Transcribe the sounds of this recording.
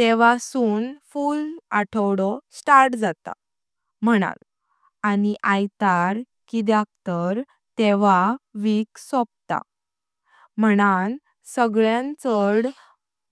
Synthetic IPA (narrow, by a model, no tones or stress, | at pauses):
t̪ɛʋasuːnfuːlaʈʰəwɽɔsʈaɾʈd͡zat̪a̰ | m̤əɽ̃a̰l | aniʔajt̪aɾ | kid̪jakt̪əɾ | t̪eʋaʋiksɔp̚t̪a̰ | m̤əɽ̃an | səɡɭjãnt͡səɽ